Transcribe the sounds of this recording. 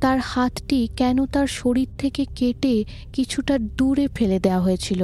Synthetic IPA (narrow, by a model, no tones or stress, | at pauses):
t̪aɾhat̪ʈikɛnot̪aɾʃoɾiɾt̪ʰekekeʈe | kit͡ɕʰuʈad̪uɾefʰeled̪eoaɦoet͡ɕʰilo